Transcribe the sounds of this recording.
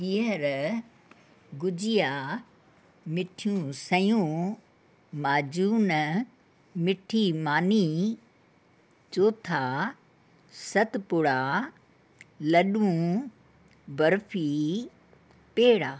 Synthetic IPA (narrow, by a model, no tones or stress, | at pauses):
iəɾ | ɡʊd͡ʒɪja | mɪʈʰijũsɐjũ | maːd͡ʒuːn | mɪʈʰimaːni | t͡ʃoːt̪ʰaː | sɐt̪pʊɽaː | lɐɗũ | bɐɾfʰi | peːɽaː